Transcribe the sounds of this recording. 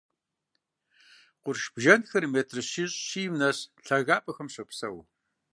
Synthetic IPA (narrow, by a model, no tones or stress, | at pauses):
qʷʊrʃb̥ʒɐnxɐrmeːtʰrɨɕiɕʼɕiːmnɐɕɬɐɣaːpʼɐxɐmɕɐpsɐ̰w